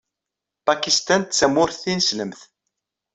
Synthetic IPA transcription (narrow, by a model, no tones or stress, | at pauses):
pakist̪ænt͡sːæmʊɾθinsləmθ